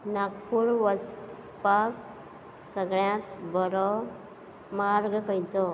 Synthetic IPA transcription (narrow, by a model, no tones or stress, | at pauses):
nakpuɾʋəs | pak | səɡɭjãt̪bɔɾɔ | maɾɡəkʰəjd͡zɔ